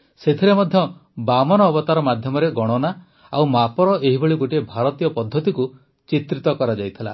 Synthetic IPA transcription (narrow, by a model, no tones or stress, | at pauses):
set̪ʰiɾemɔd̪ʱjɔbamɔnɔːbɔt̪aɾɔmad̪ʱjɔmɔɾeɡɔɽ̃ɔna | awmapɔɾɔʔeɦibeɭiɡoʈiebʱaɾɔt̪ijɔpɔd̪ʱːɔt̪iku | t͡ʃit̪ɾit̪ɔkɔɾad͡ʒajt̪ʰila̰